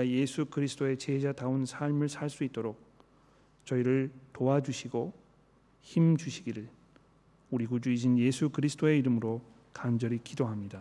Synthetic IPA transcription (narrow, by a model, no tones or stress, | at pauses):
aje̞sʰukɯɾisʰɯt͈oe̞t͡ɕeɦd͡ʑadaɯnsʰaɭmɯɭsʰaɭs͈uit̚t͈oɾok̚ | t͡ɕʌiɾɯɭtoad͡ʑuɕʰiɡo | çimd͡ʑuɕʰiɡiɾɯɭ | uɾiɡud͡ʑuid͡ʑʰinje̞sʰukɯɾisʰɯ̥t͈ʰoe̞iɾɯmɯɾo | kand͡ʑʌɾikidoɦamɲida